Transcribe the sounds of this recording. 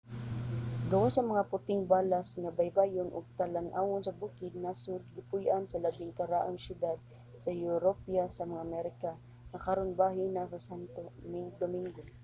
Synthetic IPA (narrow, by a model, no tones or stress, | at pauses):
ɡawasɐŋmɐŋapʊt̪ɪŋbalasŋabajbaːjʊnʔʊ̰ɡ̚t̪alanʔaːwʊnsɐbukɪd̪̚nasʊd̪̚ɡɪpʊjʔansɐlabɪŋkaɾaʔaŋsjʊd̪ad̪̚ | sɐjʊɾopiasɐmaŋaʔamɛɾɪka | ŋɐkaɾonbaɦɪnasɐsant̪omɪŋd̪omɪŋɡo